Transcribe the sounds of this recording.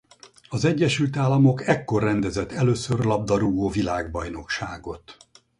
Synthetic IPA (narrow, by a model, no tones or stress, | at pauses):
ɒzɛɟːɛʃylt̪aːlːɒmo̞kɛkːo̞rːɛnd̪ɛzɛt̪ːɛløːsørlɒb̚d̪ɒɾuːɡoːvilaːɡ̚bɒjno̞kʃaːɡo̞t̪